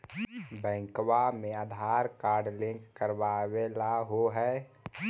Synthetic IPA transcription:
bɛ̃ːŋkwamẽaːd̪ʱaːɾkaːɾɖlɪ̃ŋkkəɾwawelaɦoɦɛː

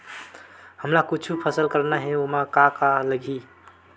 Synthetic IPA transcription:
həmlakut͡ʃʰupʰəsəlkəɾnaɦɛ̃omakakaləɡʱi

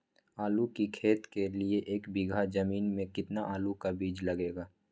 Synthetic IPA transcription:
aːlukikʰeːt̪kelieʔeːkbiɡʱad͡ʒɐmiːnmẽkɪt̪naʔaːlukabiːd͡ʒlɐɡeːɡaː

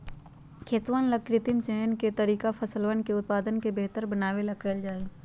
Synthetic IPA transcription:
kʰeːt̪ʋaːnləkːɾɪt̪ɪmt͡ʃeɦənket̪əɾiːkapʰəsəlʋənkeʊt̪̚paːd̪ənkebeɦt̪əɾbənaːwelɐkəld͡ʒaːe

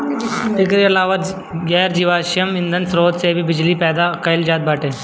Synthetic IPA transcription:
ɪkɾiɐlaːʋət̪ | ɡɛːɾd͡ʒiʋaːʃjəmɪ̃nd̪ənsɾoːd̪sebʱibɪd͡ʒlipɛːd̪akɐɪld͡ʒaːd̪̚baːʈeː

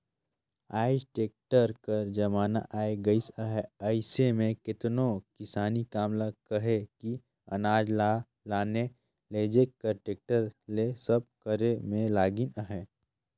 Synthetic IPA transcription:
aːiʈeːk̚ʈəɾkɐɾd͡ʒɐmaːna̰ʔaːeɡəisəɦɛəɪsemẽkɪt̪nokɪsaːnikaːmlakɐɦeki | ɐ̰naːd͡ʒ | laːne | leːd͡ʒekkːəɾʈeːk̚ʈəɾlesɐb̚kəɾemẽlaːɡɪnəɦɛ

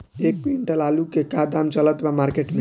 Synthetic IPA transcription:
ek̚piɳʈəlalukekad̪amt͡ʃələt̪bamaɾkeʈme

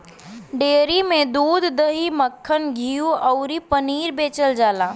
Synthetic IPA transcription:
ɖeːɾimẽd̪uːd̪ʱːəɦiməkʰːənɡʱiːjuəʊɾipəniːɾbeːt͡ʃəld͡ʒaːlaː

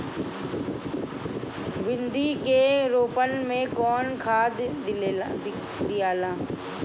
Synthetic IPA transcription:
ʋɪnd̪ikeɾoːpənmẽkɔːnkʰaːd̪ | d̪ijaːlaː

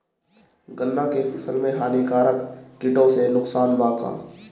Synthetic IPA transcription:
ɡəlːãkepʰɪsəlmẽɦaːnikaːɾəkkɪʈõsenʊksaːnbaːka̰ː

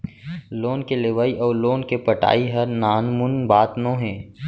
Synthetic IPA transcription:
loːnkeleːʋaːiʔɔːɾloːnkepɐʈa̰ːiɦɐɾnaːnmʊnbaːt̪nõːɦɛ̃ː

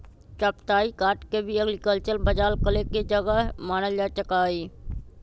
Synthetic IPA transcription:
t͡ʃəpt̪aːikaːʈkebʱiəɡlikəlt͡ʃəɾbəd͡ʒaːlkəleked͡ʒəɡəɦmaːnəljat͡ʃəkaːiː

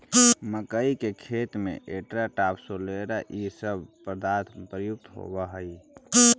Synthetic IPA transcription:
məkəikekʰet̪mḛʔeʈɾaʈapsoleɾaʔisəbʱpɾəd̪at̪ʰmpɾəjuk̚t̪ɦo̰bəɦəi

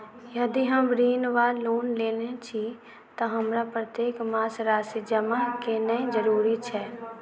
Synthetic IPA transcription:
jɐd̪iɦɐmbɾiːnʋaːoːnleːlet͡ʃʰi | t̪oɦɐmɾapɾət̪jeːkmaːsɾaːsid͡ʒəmakenəĩd͡ʒəɾuːɾit͡ʃʰɛː

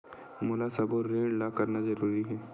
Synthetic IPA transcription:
mʊlasɐboɾɾẽːɳɖlakɐɾnazɐɾuːɾiɦɛː

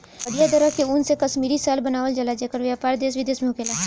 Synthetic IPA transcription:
ɐɾijad̪ɐɾəkeuːnsekɐʃmiːɾisaːlbɐnaːʋəld͡ʒɐlad͡ʒekəɾʋjaːpaːɾd̪eːsʋɪd̪eːsmẽʊkeːlaː

